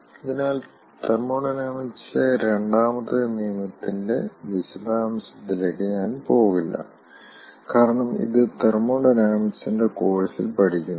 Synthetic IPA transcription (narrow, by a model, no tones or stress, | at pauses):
iðɐnaːl | t̪ermoːɳɖɐnaːmɐt͡ɕːɐɾe̞ɳɖaːmɐðɨmiːmɐt̪ːinde̞̰ʋiɕɐd̪ʱaːmɐsɐt̪ːileːkːeɲaːnpo̞ːɣilːɐ̰ | kaːɾɐɳɐmḭðɨt̪ermoːɳɖɐnaːmɐt͡ɕːɐndekoːɻɐsḭlpɐʈʰikʲːun